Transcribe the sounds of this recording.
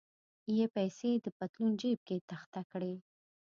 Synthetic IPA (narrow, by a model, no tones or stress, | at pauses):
jepajsed̪əpat̪lund͡ʒeb̚ket̪axt̪akɽe